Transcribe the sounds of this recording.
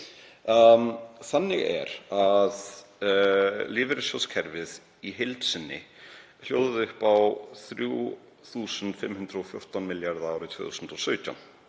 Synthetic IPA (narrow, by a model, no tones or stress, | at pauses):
θanːɪ̰ɣɛ̰ɾað | lɪːvɪɾɪsjɔskʰɛɾvɪð | iɦelt̪sɪnːɪ̰ | l̥jowðʏðʏhpawθɾju | θuːsʏnt̪fɪmːhʏnd̪ɾɔfjowr̥t̪awnmɪljaɾðaːwɾɪt̪ʰvœ̰ːθusʏnt̪ɔsœːɥt̪a̰wn